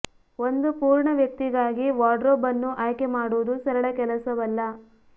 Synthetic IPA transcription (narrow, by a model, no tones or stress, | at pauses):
o̞nd̪upuːɾɳɐʋjɐk̚t̪iɡaːɡiʋaːɖɾoːbɐnːuʔaːjkemaːɽuʋud̪usɐɾɐɭɐkɛlɐsɐʋɐlːɐ